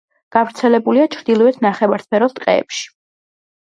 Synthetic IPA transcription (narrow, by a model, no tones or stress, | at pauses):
ɡ̥avɾt̪sʰɛlɛbuliat͡ʃʰɾd̪ilˠɔɛt̪ʰnaχɛvaɾspʰɛɾɔst̪ʼqʼɛ̰ːpʃi̥